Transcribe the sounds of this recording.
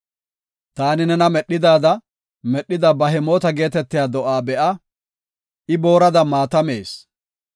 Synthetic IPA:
t̪aːnɪnɛnɐmɛɗːɪd̪aːd̪ɐ | mɛɗːɪd̪ɐbɐɦɛmo̞ːt̪ɐɡe̞ːt̪ɛt̪ːɪjaːd̪ɔʔaːbɛʔɐ | ʔɪbo̞ːɾɐd̪ɐmaːt̪ɐme̞ːs

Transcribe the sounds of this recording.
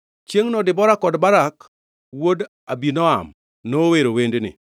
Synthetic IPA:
t͡ʃjeŋnɔdɪbɔɾakɔdbaɾak | wod | abinɔa̰m | noweɾowendnɪ̰

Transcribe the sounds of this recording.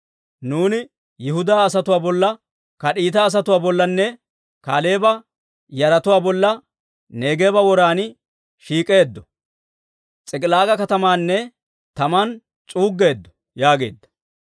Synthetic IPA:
nuːnɪ | jɪhʊd̪aːs̬ɐt̪ʊwaːbɔlːɐ | kɐɗiːt̪̬ɐːs̬ɐt̪ʊwaːbɔlːɐnːɛ | kaːle̞ːbɐ | jɐɾɐt̪ʊwaːbɔlːɐ | neːɡe̞ːbɐwɔɾaːn | ʃiːkʼe̞ːd̪ːɔ̥ | t͡sʼɪkʼɪlaːɡɐkɐt̪ɐmaːnːɛ | t̪ɐman | t͡sʼuːɡːe̞ːd̪ːɔ̥ | jaːɡe̞̰ːd̪ːɐ̥

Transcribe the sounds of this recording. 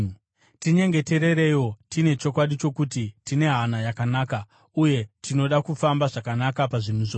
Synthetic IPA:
tiɲe̞ŋɡe̞te̞ɾe̞ɾe̞jo̞tine̞t͡ʃo̞kwaɗit͡ʃo̞kutitine̞ɦanajakanaːka | uje̞tʰino̞ɗakufambaʐakanakapaʐinuʐoː

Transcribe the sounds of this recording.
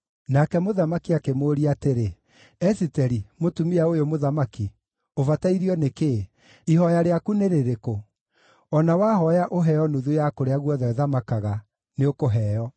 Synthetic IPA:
nakɛmoðamakiakemoɾiateɾe | ɛsitɛɾimotumiaojomoðamaki | ovataiɾiɔneke | ihɔjaɾeakuneɾeɾeko | ɔnawaɦɔjaʔoɦɛjɔnuðujakoɾeaɣwɔðaeðamakaɣa | neokoɦɛjɔ

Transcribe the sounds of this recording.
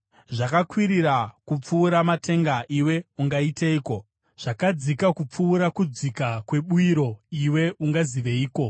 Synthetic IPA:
ʐakakwiɾiɾakup͡fuːɾamatʰe̞ŋɡaʔiwe̞uŋɡaiteiːko̞ | ʐ̥akad͡zikakup͡fuːɾakud͡zikakwe̞ɓuiɾo̞iwe̞uŋɡaziʋeiːko̞

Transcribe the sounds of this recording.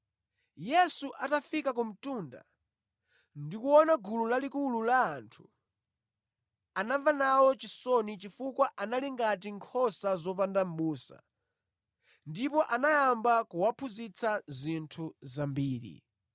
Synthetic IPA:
jɛsuʔatafikak̬um̩tunda̰ | ndikuwɔnaɡululalikululaːntʰu̥ | anavanawɔt͡ʃisɔnit͡ʃifukwaʔanaliŋɡat̬iŋkʰɔsazɔp̬andam̩ɓuːsa̰ | ndipɔʔanajambakuwapʰuzit͡sʰazintʰuzambiːɾḭ

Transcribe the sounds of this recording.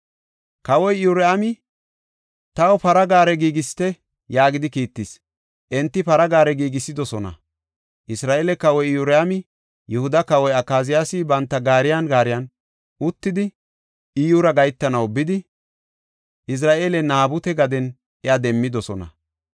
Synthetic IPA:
kɐwɔjuɾɛamɪ | t̪ɐwɔpɐɾɐɡaːɾɛɡiːɡɪst̪ɛ | jaːɡɪd̪ɪkiːt̪ːis | ʔɛnt̪ːɪpɐɾɐɡaːɾɛɡiːɡɪsːɪd̪ɔsɔnɐ̰ | ʔɪsɾaːʔeːlɛkɐwɔjjuɾɛamɪ | jɛhʊd̪ɐkɐwɔjɐkːaːzɪjaːsɪbɐnt̪ːɐɡaːɾɪjanɡaːɾɪjɐn | ʔʊt̪ːɪd̪ɪ | ɪjʊɾɐɡɐjt̪ːɐnɐwbɪd̪ɪ | ʔɪs̬ɾaːʔeːlɛnaːbʊt̪ɛɡɐd̪ɛn | ʔɛad̪ɛmːɪd̪ɔsɔnɐ̰

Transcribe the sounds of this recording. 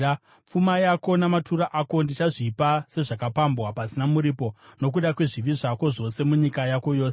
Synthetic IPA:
p͡fumajako̞namatuɾaʔako̞ndit͡ʃaʐipase̞ʐakapambɣapasinamuɾiːpo̞no̞kuɗakwe̞ʐiʋiʐako̞ʐo̞se̞muɲikajako̞jo̞ːs

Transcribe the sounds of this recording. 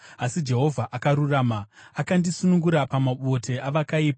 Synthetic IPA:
asid͡ʒe̞ɦo̞vʱaʔakaɾuraːmaakandisunuŋɡuɾapamaɓo̞tʰe̞ʔaʋakaiːpa

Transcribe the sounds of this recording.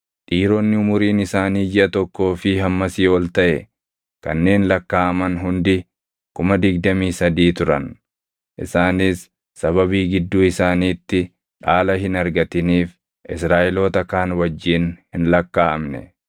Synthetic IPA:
ᶑ̪ʼiːɾoːnːɪʊmʊɾiːnɪsaːniːd͡ʒɪʔɐt̪ɔkːo̞ːfɪɦɐmːɐsiːwɔlt̪ɐʔɛ | kɐ̰nːe̞ːnlɐkːaːɐmɐnɦʊnd̪ɪ | kʊmɐd̪ɪɡ̚d̪ɐmiːsɐd̪iːt̪ʊɾɐ̰n | ʔɪ̰saːniːsː | ɐβɐβiːɡɪd̪ːuːɪsaːniːt̪ːɪ | ᶑaːlɐɦɪnɐɾɡɐt̪ɪniːf | ʔɪsɾaːʔɪlo̞ːt̪ɐkaːnwɐd͡ʒːiːnhɪnlɐkːaːɐmnɛ̰

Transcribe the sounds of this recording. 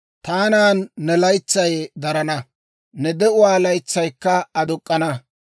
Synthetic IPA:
t̪aːnaːnːɛlɐjt͡sːɐjd̪ɐɾɐnɐ | nɛd̪ɛʊwaːlɐjt͡sːɐjkːɐɐd̪ʊkʼːɐnɐ

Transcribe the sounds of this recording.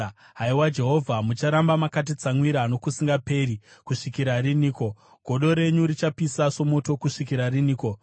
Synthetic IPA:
ɦaiwad͡ʒe̞ɦo̞vʱamut͡ʃaɾambamakat̬it͡samwiɾano̞kusiŋɡape̞ɾikuʂikiɾaɾiniːko̞ | ɡ̥ʱo̞ɗo̞ɾe̞ɲuɾit͡ʃapisaso̞mo̞to̞kuʂikiɾariniːko̞

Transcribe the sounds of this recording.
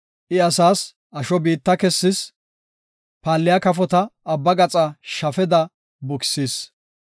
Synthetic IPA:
ʔɪɐsaːs | ʔɐʃɔbiːt̪ːɐkɛsːɪs | paːlːɪjɐkɐfɔt̪ɐːbːɐɡɐt͡sʼɐʃɐfɛd̪ɐ | bʊksiːs

